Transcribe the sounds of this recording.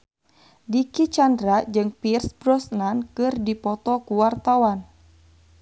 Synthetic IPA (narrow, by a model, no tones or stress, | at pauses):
dikit͡ʃandɾad͡ʒɨŋpirsbɾɔsnankɨrdipɔt̪ɔkuwart̪awan